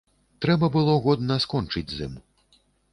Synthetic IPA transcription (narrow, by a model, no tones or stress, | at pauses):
t̪ɾɛbɐbɨlˠɔɣɔd̪nɐskɔnt͡ʂɨd͡zʲzɨ̰m